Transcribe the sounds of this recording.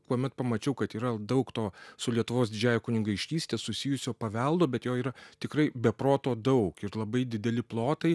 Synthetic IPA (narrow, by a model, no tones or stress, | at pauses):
kuɔmʲɛt̪pɐmɐt͡ʃʲɛʊkɐt̪iːɾɐd̪ɐʊkt̪oːsʊlʲiɛt̪ʊʋoːsd̪ʲɪd͡ʒʲæːjoːkʊnʲɪŋɡɐɪʃʲtʲiːsʲt̪ʲeːsʊsʲɪːjʊsʲoːpɐʋʲɛlˠd̪oːbʲɛt̪joːiːɾɐt̪ʲɪkɾɐɪbʲɛpɾoːt̪oːd̪ɐʊkɪɾlˠɐbɐɪd̪ʲɪd̪ʲɛlʲɪplˠoːt̪ɐɪ